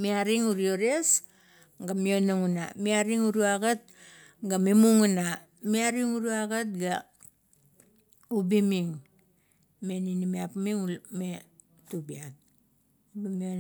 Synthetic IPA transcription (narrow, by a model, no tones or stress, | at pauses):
miaɾiŋuɾioɾes | ɡamionaŋuna̰miaɾiŋuɾuaɡat̚ | ɡamemuŋuna | miaɾiŋuɾuaɡat̚ɡa | ubimiŋ | me̞ninimiapmiŋume | tubiat̚ | mio